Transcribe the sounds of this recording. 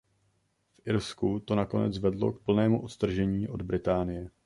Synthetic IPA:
fʔɪɾskut̪o̞nako̞nɛ̰t͡svɛdlo̞̰kpl̩nɛːmuʔot̪st̪r̩ʒɛɲiːʔo̞d̪bɾɪt̪aːnɪjɛ

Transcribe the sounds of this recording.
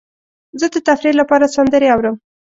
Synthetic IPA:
zəd̪ət̪afɾiɾlapɑɾasand̪əɾeawɾəm

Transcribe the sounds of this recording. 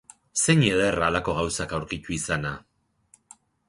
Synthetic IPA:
seɲeðeraːlako̞ɣ̞awsakawɾkit̪uisana

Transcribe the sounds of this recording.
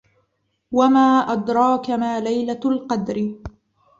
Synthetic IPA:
wamaːʔɑd̪ɾˤɑːkamaːlajlalqɑd̪ɾɪ

